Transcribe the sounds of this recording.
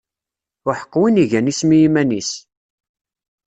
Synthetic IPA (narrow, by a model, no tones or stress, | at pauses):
ʊħə̥qːwiniʝænismijimænis